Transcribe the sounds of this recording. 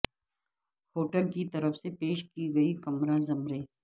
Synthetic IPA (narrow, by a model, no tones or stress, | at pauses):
hoːʈəlkit̪ɐɾəfsepeːʃkiɡɐikɐmɾãzɐmɾeː